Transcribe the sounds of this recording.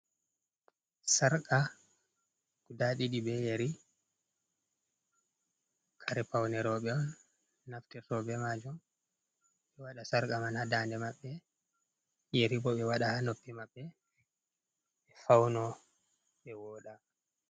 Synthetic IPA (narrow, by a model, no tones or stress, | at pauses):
saɾka | kudaɗiɗibɛjeɾi | kʰaɾɛpawnɛɾɔɓɛɔn | naftɛtɔbɛmad͡ʒum | ɓɛwaɗasaɾkʼamanhadandɛmaɓːɛ | jeɾibɔɓɛwaɗahanopːimaɓːɛ | ɛfawnɔ | ɓɛwɔːɗa